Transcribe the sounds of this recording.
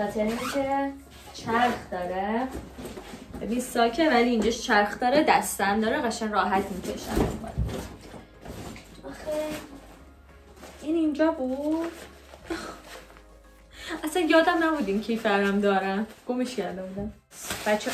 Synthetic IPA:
ɒːt̪ʰeɾinikʲʰe | t͡ʃʰæɾxd̪ɒːɾe | bebinsɒːlcʰevæliːnd͡ʒɒʃt͡ʃʰæɾxd̪ɒːɾed̪æst̪ænd̪ɒːɾeɣæʃænrɒːɦæt̪ʰmicʰeʃæ̰mxɔ̰d̪ | ɒxe | inind͡ʒɒːbuːd̪ | æsænjɒːd̪æmnæbuːd̪imcʰifæɾæmd̪ɒːɾænɡ̥omiʃcæɾd̪ebud̪æm | b̥æt͡ʃʰːe

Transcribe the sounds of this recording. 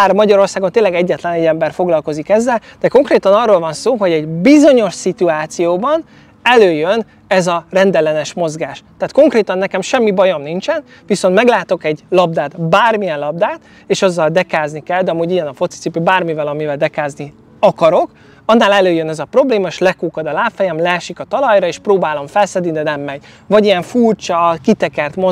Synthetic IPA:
armɒɟɒɾo̞rsaːɡo̞nt̪eːnlɛɡɛɟːɛt̪lɛnɛɟːɛmbɛrfo̞ɡlɒlko̞zikɛzːɛld̪̥ɛko̞ŋkreːt̪ɒnɒrːoːlvɒnsoːɦo̞ɟɛɟbizo̞ɲo̞ʃsit̪uaːt̪sijoːbɒn | ɛløːjøn | ɛzɒrɛnd̪ɛlɛnɛʃmo̞zɡaːʃt̪aːt̪ko̞ŋkreːt̪ɒnːɛkɛmʃɛmːibɒjo̞mnint͡ʃɛn | viso̞nt̪mɛɡlaːt̪o̞kɛɟlɒb̚d̪aːt̪baːrmijɛnlɒb̚d̪aːt̪ | eːʃɒzːɒld̪ɛkaːznikɛld̪ɒmuːɟijɛnɒfo̞t̪si̥tsipøbaːrmivɛlɒmivɛld̪ɛkaːzni | ɒkɒɾo̞k | ɒnːaːlɛløːjønɛzɒpro̞bleːmɒeʃlɛkuːkɒd̪ɒlaːfɛjɛmlɛːʃikɒt̪ɒlɒjɾɒeːʃproːbaːlo̞ɱfɛlsɛd̪ind̪ɛnɛmːɛɟvɒɟijɛɱfurt͡ʃɒkit̪ɛkɛrt̪mo

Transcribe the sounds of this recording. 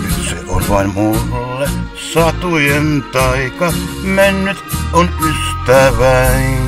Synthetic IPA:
sḛʔo̰lʲʋɑimmulːe | sɑt̪ujent̪ɑikɑmenːyt̪ʔonyst̪æʋæin

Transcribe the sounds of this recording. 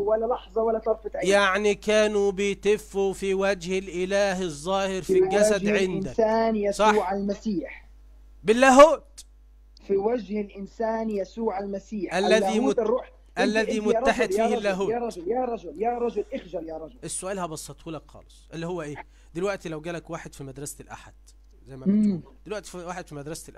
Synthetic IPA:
walːalɑħzˤɑwalːat̪ˤɑɾˤfɪt̪ʕajaʕnikæːnubɪjt̪ɪfːufiwæd͡ʒhɪlʔɪlæːɦɪzˤːɑːhɪɾfiɡæsæd̪ʕend̪æsaːnjasˤɑuːʕalmasiːħ | bɪlːæːɦuːt̪ | fiwad͡ʒhɪlʔɪnsaːnjasuːʕalmasiːħælːæiː | ʔælːæðimʊˤaħed̪fiːhɪlːæːɦuːɾˤɑd͡ʒʊljaɾˤɑd͡ʒʊljaɾˤɑd͡ʒʊlʔɪxʒaljaɾˤɑd͡ʒʊʔesːʊʔæːlhæbɑsˤːɑt̪ˤhuːlækxɑ̰ːlesˤʔelːihowːæʔeː | d̪elwæʔt̪ilæwɡæːlækwaːħed̪fimæd̪ɾɑslʔa̰ħad̪̥ | zæjːmæm | d̪elwæʔt̪waːħed̪fimæd̪ɾˤɑsʔ

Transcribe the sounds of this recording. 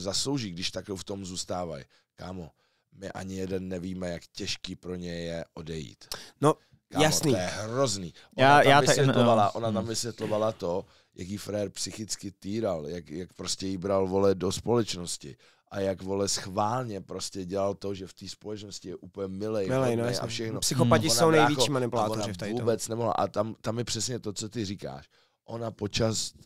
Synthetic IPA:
zaslowʒiːɡdɪʃt̪akloft̪o̞mzuːst̪aːva̰j | kaːmo | mɪʔa̰ɲɪjɛdɛnːɛviːmɛjakcɛʃkiːpɾo̞ɲɛjːɛʔo̞dɛjḭːt̪no | kajaːsmotniojjɛɦrozniːʔʔonaːjaaːɪsjɛlovalaʔonat̪amvɪsvjɛt̪lo̞valat̪o̞ | jakjifɾɛɾpsɪxɪt͡skɪt̪iːɾaljakjak̚pɾoscɛjibɾalvo̞lɛdo̞spo̞lɛt͡ʃno̞scɪ̰ | ʔajakvo̞lɛsxvaːlɲɛpɾo̞scɛɟɛlalt̪o̞ʒɛft̪iːspo̞lɛt͡ʃnoscɪjɛʔuːpəl̩ɲɛmɪlɛjmɪljʔa̰fʃɛxnopsɪxopacɪsnownɛjvjɛkt͡ʃimanɪpulaːt̪oɾɪt̪auːbɛt͡snɛmoɦla̰ʔa̰t̪amt̪amjɛpr̥ɛsɲɛt̪o̞t͡so̞t̪ɪriːka̰ːʃ | ʔo̞napot͡ʃas

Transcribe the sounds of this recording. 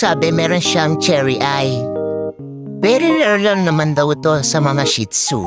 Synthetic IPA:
sabɛmɛɾonʃaŋt͡ʃɛɹiʔaj | bɛɾilɛɹlonnɐmɐnd̪ɐut̪osɐmɐŋaʃit̪sṵ

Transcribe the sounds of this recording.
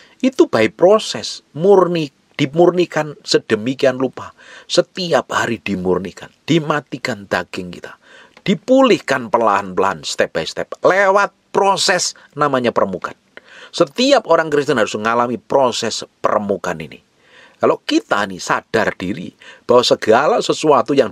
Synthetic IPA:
ʔit̪ub̥aɪʔpɾosɛsmurni | d̥i̤murnikansəd̥əmikianlupa | sət̪iap̚haɾid̥imurnikand̥imat̪ikand̪̥aɡ̥ɪŋkḭt̪a | d̥ipulɪhkanpəla̰ɦanpəlaanst̪ɛp̚b̥̚aist̪ɛp̚lewat̪̚pɾosɛs | namaɲapəɾəmukan | sət̪iapoɾaŋkɾis̬t̪ənɦaɾʊsŋalamipɾosɛspə̰ɾəmukanḭnḭ | kalokit̪a̰inisad̥ard̥iɾḭb̥awasəɡ̥alasəsuat̪ujaŋ

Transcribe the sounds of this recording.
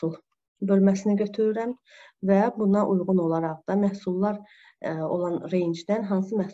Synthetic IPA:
ulˠ | bø̞lmæsiniɟø̞t̪ʰyɾyɾæm | væbunɑʔujʁuno̞lˠɑɾɑʁd̪̥ɑmæhsulˠːɑɾ | o̞̰lˠɑnɾejnd͡ʒd̪ænɦɑns̬ɯmæh

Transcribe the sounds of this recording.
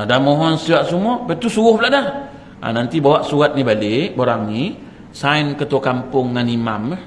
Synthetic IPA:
adahmɔɦɔnsiaʔsumɔpat̪usuɣʊhbəlaʔdah | ʔa̰nant̪ibawaʔsuɣat̪̚nibaleʔboɾaŋni | sainkət̪ukampʊŋːanimamə

